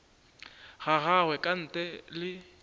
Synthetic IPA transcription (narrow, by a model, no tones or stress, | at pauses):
ɣaɣawɛkʼan̩ːtʼɛlɪ